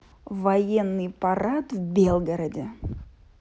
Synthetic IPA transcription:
vɐjenːɨjpɐɾat̪vbʲelˠɡəɾədʲɪ

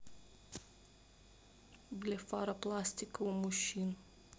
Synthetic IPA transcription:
blʲefaɾaplast̪ikəumuʃin

